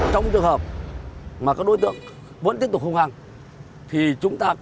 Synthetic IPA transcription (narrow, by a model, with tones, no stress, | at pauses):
t͡ɕɔ˧wŋ͡mt͡ɕɨ˨˩əŋhəː˨˩p̚ | maː˨˩kaː˦˥k̚ɗo˧˦jt̪ɨ̰˧˨əŋ | və̰˧˥t̪ət̪ʊ˨˩k̚hə˧wŋ͡mhaː˨˩ŋ | t̪ʰi˨˩t͡ɕʊ˨˦ŋ͡mt̪aː˧